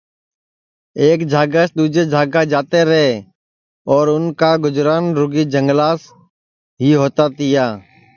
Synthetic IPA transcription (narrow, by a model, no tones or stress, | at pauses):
eːkd͡ʒʱaːɡasd̪uːd͡ʒeːd͡ʒʱaːɡad͡ʒaːt̪eːɾəɦeː | ɔːɾʊnkaːɡʊd͡ʒɾaːnɾʊɡiːd͡ʒəŋɡlaːs | ɦiːɦoːt̪aːt̪ɪjaː